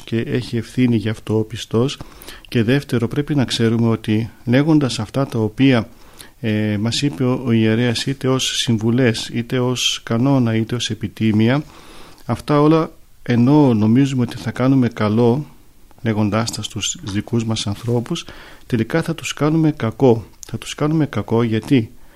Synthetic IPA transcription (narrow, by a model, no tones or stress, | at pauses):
ce̞ʔe̞çie̞fθiniʝɐːft̪o̞ːpist̪o̞sce̞ðe̞ft̪e̞ɾo̞pɾe̞pinɐkse̞ɾume̞o̞t̪ile̞ɣo̞nd̪ɐsɐft̪ɐt̪ɐo̞piɐ | mɐsipe̞ooie̞ɾe̞ɐsit̪e̞o̞sːiɱvule̞sit̪e̞o̞skɐno̞nɐit̪e̞o̞se̞pit̪imiɐ | ɐft̪ɐo̞lɐ | e̞no̞no̞mizumeo̞t̪iθɐkɐnume̞kɐlo̞ | le̞ɣo̞nd̪ɐst̪ɐst̪uzzðikuzmɐsɐnθɾo̞pust̪e̞likɐθɐt̪u̥skɐnume̞kɐko̞θɐt̪u̥skɐnume̞kɐko̞ʝɐt̪i